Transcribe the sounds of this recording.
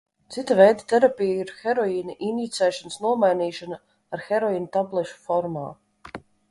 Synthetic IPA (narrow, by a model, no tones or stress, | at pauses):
t̪sit̪avɛjd̪at̪ɛɾapʲijaiɾxɛɾɔiːnaʔinit̪sɛːʃansnuɔmajniːʃana | aɾxɛɾɔiːnat̪ablˠɛʃu̥fɔɾma̰ː